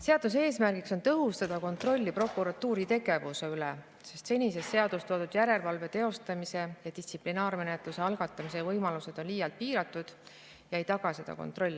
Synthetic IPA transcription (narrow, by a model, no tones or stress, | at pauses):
se̞ɑd̪̥us̬e̞ːsmærɡ̥ikso̞nt̪ɤɦust̪ɑd̪̥ɑko̞nt̪ˑro̞lʲːipro̞kˑuɾɑt̪ːuːɾit̪e̞ɡ̥e̞vuse̞yle | se̞st̪se̞nʲisest̪se̞ɑd̪̥ust̪oːd̪ud̪̥jæɾe̞lvɑlve̞t̪e̞o̞st̪ɑmise̞jɑd̪isʲt̪siplinɑːɾme̞ne̞t̪ˑluse̞ɑlɡ̥ɑt̪ːˑɑmise̞vɤjmɑluse̞d̪̥o̞nlijɑlt̪̚piːɾɑt̪ːˑud̪̥ | jɑe̞jt̪ɑɡ̥ɑse̞d̪̥ɑ̰ko̞̰nt̪ro̞lʲːi